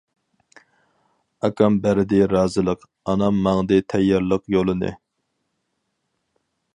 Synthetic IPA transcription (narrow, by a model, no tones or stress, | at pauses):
ɑkɑmbæɾɪd̪ɪɾɑːzɨlˠəq | ɑnɑmːɑŋd̪ɨt̪ʰɛjːɑɾlˠəqjolˠɨnɨ̰